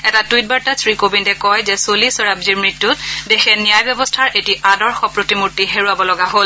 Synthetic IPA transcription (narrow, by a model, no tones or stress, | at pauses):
ɛtatujt̚baɹtasɹikobindɛkɔjzɛsolisɔɹabziɹmɹitːutdexɛnijajbjɔbɔstʰaɹʔetiʔadɔɹxɔpɹotimutːiɦeɹuabɔlɔɡaɦol